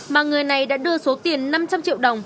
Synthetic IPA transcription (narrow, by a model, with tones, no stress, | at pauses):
maː˨˩ŋɨ˨˩əjna˨˩jɗa̰ː˧˥ɗɨ˧əso˨˦t̪i˨˩ənːa˧mt͡ɕa˧mt͡ɕḭ˧˨wɗə˨˩wŋ͡m